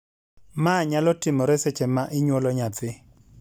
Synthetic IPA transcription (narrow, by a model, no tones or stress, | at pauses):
maɲalɔtimɔɾɛsɛt͡ʃɛmaʔɪɲwɔlɔɲatɪ